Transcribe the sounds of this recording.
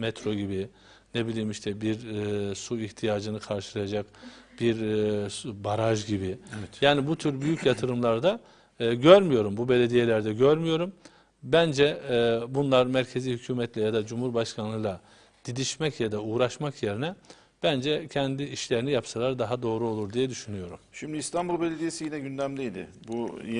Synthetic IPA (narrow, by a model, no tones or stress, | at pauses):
mɛt̪ʰɾo̞ɟibi | nebilʲiːmiʃt̪ʰɛbiɾsuiçt̪ʰijaːd͡ʒɯnɯkʰaɾʃɯlˠajad͡ʒakb̥iɾ | baɾaʒɟibiɛjaːnibut̪ʰyɾbyjycjat̪ʰɯɾɯmlˠaɾd̪a | ɟøɾmyjo̞ɾumbube̞lʲe̞d̪ijelʲæɾd̪ɛɟøɾmyjo̞ɾum | bænd͡ʒɛbunlˠaɾmæɾcʰe̞zihycʰyːmɛt̪ʰlʲɛjad̪ad͡ʒumhuɾbaʃkʰanlˠɯjlˠa | d̪̥id̪iʃmɛcjad̪auːɾaʃmakje̞ɾinɛ | b̥ænd͡ʒɛcʰɛnd̪iiʃlʲe̞ɾinijapsɯlˠaɾd̪aɦad̪o̞ːɾuo̞lˠuɾd̪ijɛd̪yʃynyjo̞ɾumʃimd̪iːst̪ʰanbulˠbelʲed̪ijesijinɛɟynd̪æmlʲijd̪ɪ̰buj